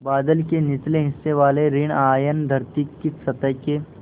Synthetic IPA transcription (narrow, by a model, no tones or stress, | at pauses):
baːd̪əlkenɪt̪leɦɪsːeʋaːleɾɪɳ̃aːjənd̪ʱɐɾt̪ikːɪsɐt̪əɦke